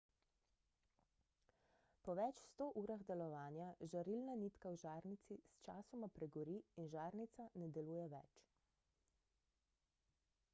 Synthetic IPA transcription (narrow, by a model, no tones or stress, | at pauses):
pɔʋɛt͡ʃst̪oːʔuːɾaɣd̪ɛlɔʋaːnjaʒaɾilnaniːt̪kawʒaːɾnit̪sist͡ʃaːsɔmapɾɛɡɔɾiːnʒaːɾnit̪sanɛd̪ɛluːjɛʋɛ̰t͡ʃ